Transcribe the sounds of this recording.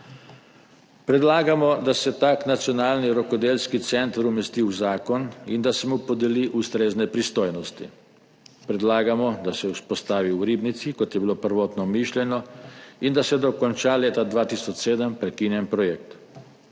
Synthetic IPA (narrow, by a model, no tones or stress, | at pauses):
pɾɛd̪laːɡamɔd̪asɛt̪aːknat̪sjɔnaːlniɾɔkɔd̪eːlskit̪sɛnt̪ɾumɛst̪iwzaːkɔnind̪asɛmupɔd̪ɛliʔust̪ɾeːznɛpɾist̪oːjnɔst̪ḭ | pɾɛd̪laːɡamɔd̪asɛuspɔst̪aːʋiwɾiːbnit̪sikɔt̪jɛbilopəɾʋɔːt̪nɔmiʃlʲɛnɔind̪asɛd̪ɔkɔnt͡ʃaːleːt̪ad̪ʋaːt̪iːsɔt͡ʃseːd̪əmpɾɛkinjɛmpɾɔjɛkt̪